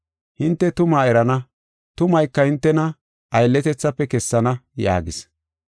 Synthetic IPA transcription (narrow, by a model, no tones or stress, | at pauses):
hɪnt̪ːɛt̪ʊmaːɛɾɐnɐ | t̪ʊmɐjkːɐhɪnt̪ːɛnɐ | ʔɐjlːɛt̪ɛt͡sːɐpːɛkɛsːɐnɐja̰ːɡɪs